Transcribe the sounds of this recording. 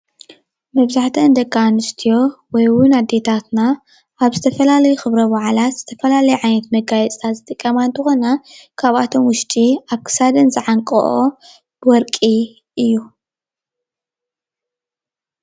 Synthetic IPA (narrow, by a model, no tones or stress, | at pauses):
mɐβzaħt̪ʰɐnd̪ɐkːanɨst̪ʰijo̞wɔjwʊnad̪ːe̞t̪ʰat̪na | ʔaβzɨt̪ʰɐfɐlalɐjuxɨβɾɐβaʕlat̪z̥ɨt̪ʰɐfɐlalɐjuʕajnɐt̪mɐɡajɛt͡sʼt̪ʰat̪zɨt̪ʼɨkʼːɐmant̪ʰɨxonakʰaβat̪ʰo̞mwʊʃt̪ʼiaβkʰɨ̥sad̪ɐnzɨʕaŋkʼɐ̰ʔo | bɨwɔɾkʼi | ʔɨjːu